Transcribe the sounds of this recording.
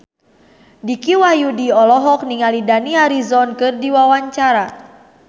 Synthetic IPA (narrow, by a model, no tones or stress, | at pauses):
dikiwajudiɔlɔɦɔk̚niŋalidaniaɾizɔnkɨrdiwawaɲt͡ʃaɾa